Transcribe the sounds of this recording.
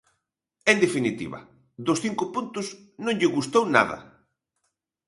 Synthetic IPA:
end̪efinit̪ḭβɐ̰ | ðʊsθiŋkʊpunt̪ʊs | nõŋʎɪɣust̪owna̰ðɐ̰

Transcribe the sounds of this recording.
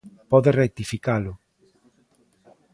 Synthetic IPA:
pɔðerek̚t̪ifikalʊ

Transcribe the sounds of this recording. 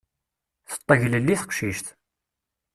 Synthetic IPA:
θə̥t̪ˤːəʝləlːiθə̥qʃiʃt̪

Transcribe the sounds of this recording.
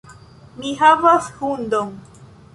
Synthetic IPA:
miɦavashund̪oŋ

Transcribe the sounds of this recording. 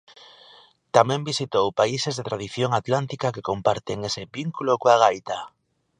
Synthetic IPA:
t̪amɛ̃mbisit̪owpaisezðet̪ɾað̞iθjoŋat̪lant̪ikakekompaɾt̪eŋesebiŋkulokoaɣ̞ajt̪a

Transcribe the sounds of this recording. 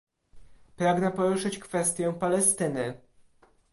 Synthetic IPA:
pɾaɡnɛpɔɾuʂɘt͡ɕkfɛst̪ʲjɛpalɛst̪ɘnɘ

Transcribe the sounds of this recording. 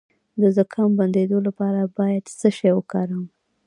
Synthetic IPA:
d̪əzəkʰɑmband̪ed̪olapɑɾabɑjad̪səʃewəkɑɾəm

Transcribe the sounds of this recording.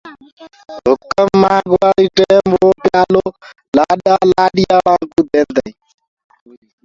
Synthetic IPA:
ɦʊkəmːaːɡʋaːliːʈeːmoːpjaːloː | laːɗaːlaːɗɪjaːlãːŋkuːd̪eːnd̪əiː

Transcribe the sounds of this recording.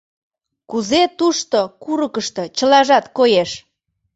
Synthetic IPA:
kuzet̪uʃt̪okuɾəkəʃt̪ɤ̆t͡ɕə̆lɑʒɑt̪kojeʃ

